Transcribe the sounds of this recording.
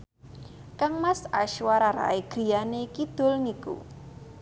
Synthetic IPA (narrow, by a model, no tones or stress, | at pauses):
kaŋmasaʃwaɾaɾa̰iɡ̥i̤janekid̪̥o̤lŋikṵ